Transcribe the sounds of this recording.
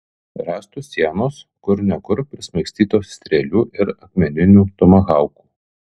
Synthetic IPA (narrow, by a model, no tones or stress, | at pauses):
ɾɑːst̪uːsʲiɛnoːskʊɾnʲɛɡʊɾpʲɾʲɪsʲmɐɪksʲt̪ʲiːt̪oːsʲt̪ʲɾʲɛlʲuːʔɪɾɐkmʲɛnʲɪnʲuːt̪ɔmɐɣɑˑʊku̥ː